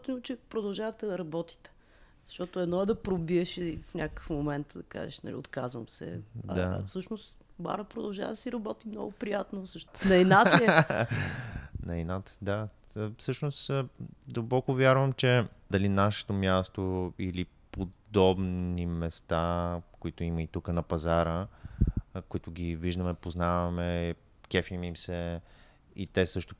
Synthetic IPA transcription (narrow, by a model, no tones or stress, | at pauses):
t̪ɛnt͡ʃɛpɾod̪ɐlˠʒavɐt̪ɛd̪ɐɾɐbɔt̪i̥t̪ɛ̥ | z̥ɐʃt̪ɔt̪oɛd̪nɔɛd̪ɐpɾobiɛʃɛfnʲakəkəfmomɛnt̪d̪ɐka̰ʒɛ̰ʃnɐ̰lḭot̪kazvə̰msɛ̰d̪afsɤʃnost̪ | ba̰ɾəpɾod̪ɐlˠʒa̰vɐ̰d̪ɐsiɾɐbɔt̪imnɔ̰ɡʊpɾijat̪nozəʃt̪nɐɛnat̪ | nɐinat̪d̪a | fsɤʃnosd̪ɐlˠbɔkʊvjaɾvɐmt͡ʃɛd̪ɐlinaʃɛ̥t̪omʲjast̪oili | pod̪ɔbnimɛst̪akoit̪ʊiməit̪ukənɐpɐzaɾə | koʊit̪ʊɡʲiviʒd̪əmɛpoznavɐmɛ | kɛfimimsɛ | it̪ɛsɤʃt̪ʊ